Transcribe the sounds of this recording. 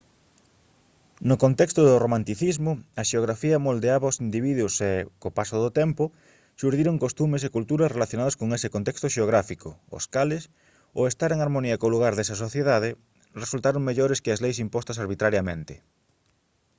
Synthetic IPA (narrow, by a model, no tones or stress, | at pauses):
nʊkont̪ɛkst̪ʊðʊromãnt̪iθizmʊɐʃeoɣɾafiɐmold̪eaβɐosind̪iβiðwʊsekopasoðʊt̪ɛmpʊ | ʃuɾðiɾoŋkost̪umes̬ekult̪uɾɐsrelaθjonaðɐskoŋesɪkont̪ɛkst̪ʊʃeoɣ̞ɾafikoo̰skalɪs | o̰est̪aɾeŋaɾmoniɐkoluɣ̞aɾðesɐs̬oθjeðaðɪ | result̪aɾoŋmeʎɔɾeskɪɐzlejsimpɔst̪ɐsaɾβit̪ɾaɾjɐmḛ̃nt̪ɪ